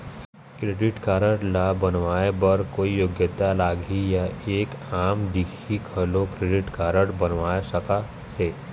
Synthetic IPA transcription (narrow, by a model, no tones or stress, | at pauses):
kɾeːɖɪʈkaːɾəɽlaːbɐnʋaːebɐɾkoːijoːɡjət̪alaːɡʱijaeːkaːmd̪ikʰikʰəlõkɾeːɖɪʈkaːɾəɽbɐnʋaːesəka | seː